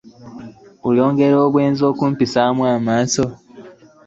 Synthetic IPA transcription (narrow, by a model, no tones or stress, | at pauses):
uloːŋɡe̞ɾoːβwe̞ːnzo̞ːkumpisaːmwaːmaːnso